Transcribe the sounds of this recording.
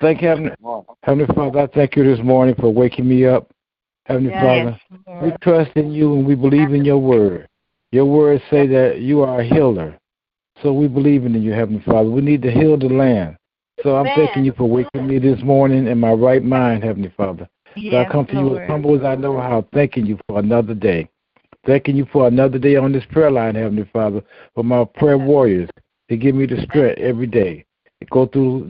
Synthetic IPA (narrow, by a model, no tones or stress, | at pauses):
θæ̃ŋkhɛvn̩ihɛvn̩lifɑðə˞aɪθæ̃ŋkjɨðɪsmɔɹnɪ̃ŋfə˞weɪkɪ̃ŋmiʌp̚ | hɛvn̩lifɑðə˞witʰɹ̥ʌstɨ̃njɨə̃nwibəlivɨ̃njə˞wɜ˞d̥ | jə˞wɜ˞d̥seɪðɨt͡ʃɨə˞ɨɦɪlˠə̰˞ | soʊwibəlivɨ̃nɨ̃njɨhɛvn̩lifɑðə˞winid̚tɨɦɪlˠðəlæ̃nd̥ | soʊãɪ̃mθæ̃ŋkɪ̃ŋjɨfə˞wekɨ̃nmiðɪsmɔɹnɪ̃ŋɨ̃nmaɪɹaɪt̚mãɪ̃nd̚hɛvn̩lifɑðə˞ | soʊaɪkʰʌ̃mtʰɨjɨəz̥hʌ̃mbl̩ˠəzaɪnoʊɦaʊθæ̃ŋkɪ̃ŋjɨfə˞ənʌðə˞deɪ | θæ̃ŋkɪ̃ŋjɨfə˞ənʌðə˞deɪə̃nðɪspʰɹ̥ɛlãɪ̃nhɛvn̩lifɑðə˞ | fə˞maɪpʰɹ̥ɛwɔɹiə˞z̥ | tɨɡɪvmiðɨstɹ̥ɛ̃ɾɛvɹideɪ | ɨt̚ɡ̥oʊθɹu